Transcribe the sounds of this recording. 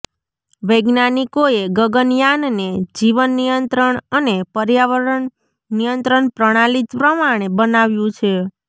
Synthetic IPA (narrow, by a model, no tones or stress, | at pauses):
ʋəjɡnanikoeɡəɡənjanned͡ʒiʋənːijənt̪ɾəɳənepəɾjaʋəɾəɳ | nijənt̪ɾəɳpɾəɽ̃alit̪pɾəmaɽ̃ebənaʋjũt͡ʃʰe